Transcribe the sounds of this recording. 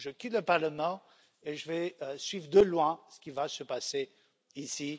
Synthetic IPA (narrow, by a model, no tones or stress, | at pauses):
ʒəkʲit̪ləpaʁləmɑ̃ | eʒəvɛsɥivʁd̪əlwɛ̃sə̥kʲivasəpase | isi